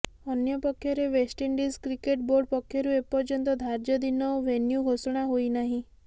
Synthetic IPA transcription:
ənjɔpɔkʰjɔɾeʋesʈiɳɖiskɾikeʈboɾɖpɔkʰːjɔɾuepɔɾd͡ʒɔnt̪ɔd̪ʱaɾd͡ʒɔd̪inɔwʋenjuɡʱosɽ̃aɦoinaɦĩ

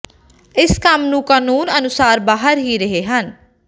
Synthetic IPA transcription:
ɪskəmnũːkaːnuːnənʊsaːɾbaːɦəɾɦiːɾəɦeːɦən

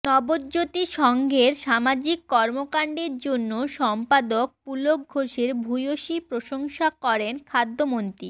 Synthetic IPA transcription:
nɔboɾd͡ʑot̪iʃɔŋɡʱeɾʃamad͡ʑikːɔɾmokaɳɖeɾd͡ʑonːoʃɔmpad̪ok̚pulok̚oʃeɾbʱujoʃipɾoʃoŋʃakɔɾenkʰad̪ʱːomont̪ɾi

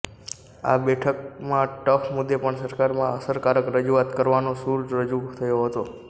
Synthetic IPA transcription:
a̰bɛʈʰək̚mãʈəfʰmud̪ːepəɳsəɾkaɾmãəsəɾkaɾəkɾəd͡ʒuat̪kəɾʋanosuɾd͡ʒɾəd͡ʒut̪ʰəjoɦət̪o

